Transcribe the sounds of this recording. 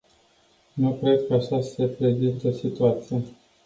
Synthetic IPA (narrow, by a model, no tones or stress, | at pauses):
nukɾe̞d̪kəaʃase̞pɾe̞zint̪əsit̪uat̪sije